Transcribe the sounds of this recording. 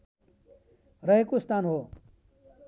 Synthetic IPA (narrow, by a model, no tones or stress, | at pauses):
ɾʌɦekost̪ʰaːnɦo